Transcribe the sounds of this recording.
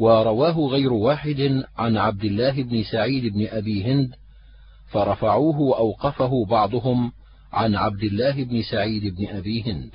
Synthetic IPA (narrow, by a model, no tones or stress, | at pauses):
wɑɾˤɑwaːɦʊɣajɾʊwaːħɪd̪ɪʕanʕab̚d̪ɪlːaːɦɪbnɪsaʕiːd̪ɪbnɪʔabiːɦɪnd̪ | fɑɾˤɑfaʕuːɦʊwaʔawqɑfaɦʊbɑʕd̪ˤʊɦʊm | ʕanʕab̚d̪ɪlːaːɦɪbnɪsaʕiːd̪ɪbnɪʔabiːɦɪnd̪